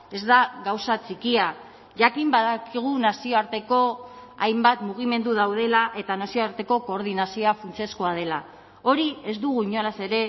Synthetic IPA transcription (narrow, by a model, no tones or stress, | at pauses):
e̞zd̪aɣawsat͡sikia | ʝakimbaðakiɣ̞unasio̞aɾt̪e̞ko̞ajmbat̪muɣ̞ime̞nd̪uð̞awð̞e̞laʔe̞t̪anasio̞aɾt̪e̞ko̞ko̞ːɾð̞inasioafunt͡seskoað̞e̞la | o̞ɾie̞zd̪uɣ̞uiɲo̞lase̞ɾe̞